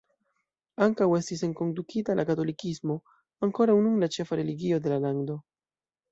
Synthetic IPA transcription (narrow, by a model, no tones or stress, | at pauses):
aŋkawest̪ise̞ŋko̞nd̪ukit̪alʔakat̪o̞likizmo̞ | aŋko̞ɾawnuŋlat͡ʃe̞faɾeliɡio̞d̪e̞lalaŋd̪o̞